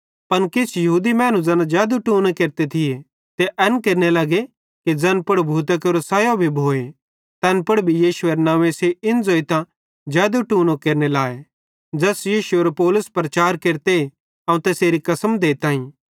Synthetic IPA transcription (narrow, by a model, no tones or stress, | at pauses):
pɐnkɪt͡ʃʰjɐɦuːd̪imɛ̃ːñũd͡zɐnad͡ʒaːd̪uʈuːnekeːɾt̪et̪ʰɪje | t̪eʔɛnkeːɾnelɐɡe | kid͡zɐnpʊɽbʱuːt̪əkeɾosɐːjobʱibʱoːe | t̪ɛːnpʊɽbʱijiːʃʊeɾnãːʋeseɪnd͡zoːit̪ã | d͡ʒɛːd̪uʈuːnõkeːɾnelaːe | d͡ʒɐsjiːʃuɐɾpɔːlʊspɾɐt͡ʃaːɾkeːɾt̪e | ɐ̃ũt̪eːseːɾikɐsəmd̪eːt̪ãːĩ